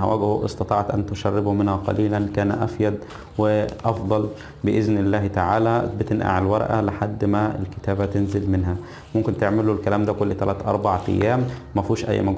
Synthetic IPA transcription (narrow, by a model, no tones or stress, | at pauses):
æ̰wʔæɡhʊʔḛst̪ɑt̪ˤɑːʕt̪ʔænt̪ʊʃærːɪbumɪnhæqɑ̰liːlænkæːnʔæfjæd̪ | wɪʔɑfd̪ˤɑl | bɪʔɪznɪlːæːht̪aʕaːlæbet̪enʔa̰ʕelwɑɾˤɑʔæ̰lɪħad̪ːmæḛlkɪ̥t̪æːbæt̪enzɪlmɪnɦæ | mʊmkɪnt̪eʕmɪlulkælæːmd̪ækolːt̪ælæːt̪ʔɑ̰ɾˤbɑʕʔæ̰jːæːmː | æfiːʃʔæ̰j̰ːmæɡ